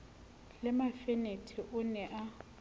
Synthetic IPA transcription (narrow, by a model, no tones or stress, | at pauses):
lɪmafɛnetʰɛʔʊnɛʔa